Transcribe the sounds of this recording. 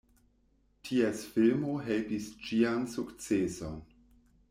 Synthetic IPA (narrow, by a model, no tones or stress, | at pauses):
tʰiesfilmo̞ɦelpist͡ʃiansukt͡seson